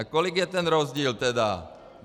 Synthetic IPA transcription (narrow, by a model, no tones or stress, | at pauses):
kɔliɡjɛt̪ɛnɾɔzɟiːlt̪ɛd̪a | n